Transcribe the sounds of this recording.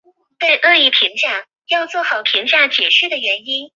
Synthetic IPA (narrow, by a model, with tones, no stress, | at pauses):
t̪e˥˧ɪʔɤ˥˧i˥˩pʰi˧˥ŋɕjɑ˥˩ŋ | jɑ˥˧ʊt͡swɔ˥˩xɑ˨˩˦ʊpʰi˧˥ŋɕja˥˩ŋt͡ɕjɛ˨˩ɕy˥˩d̪ə˩ɥɛ˧˥ni˥n